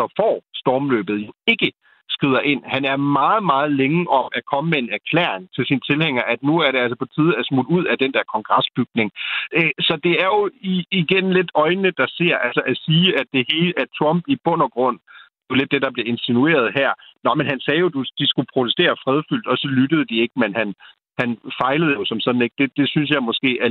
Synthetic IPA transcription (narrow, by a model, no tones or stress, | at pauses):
ɒfɒ̰ːsd̥ɒːmlø̰ːb̥ð̩ˠje̝ɡ̥ə | sɡ̥ʁið̞ˠɐʔe̝n̰hænæɐmɑ̈ːð̞̩ˠmɑ̈ːð̞̩ˠleŋəʔɒ̽mækʰɒ̽məmee̝næɐkʰlɛ̰ːɐeŋt͡sʰe̝lsint͡sʰe̝lheŋ̰ɐʔæd̥nuæɐɾe̝ælsəpʰɒ̽t͡sʰiːð̞̩ˠæsmud̥uð̞̰ˠæd̥end̥æɐkʰɒ̽ŋɡ̥ʁɑ̈sb̥yɡ̥̚ne̝ŋøsɒ̽d̥e̝æɐjo̝iiɡ̥enle̝d̥ɒ̽ɪnəd̥ɑ̈se̝ɐ̰ʔælsɐʔæsiːæd̥̚d̥e̝he̝ːlæt͡sʰʁɒ̽mb̥ib̥ɔ̽n̰ɐɡ̥ʁɔ̽n̰d̥ele̝d̥ːe̝d̥ɑ̈b̥le̝e̝nsinue̝̰ːɐð̞̩ˠɦæɐ̰nɒ̽menɦænsɛːjo̝d̥ud̥isɡ̥upʰʁo̝t͡sʰesd̥e̝̰ːɐfʁɛð̞ˠfyl̰d̥ɒ̽sɒ̽lydəð̞̩ˠd̥ie̝ɡ̥̚menhæn | hænfɑ̈ɪləð̞̩ˠjo̝sɒ̽msɒ̽d̥n̩e̝ɡ̥̚d̥e̝d̥e̝syns̬jɑ̈ɪmɒ̽sɡ̥e̝̰ːæɐ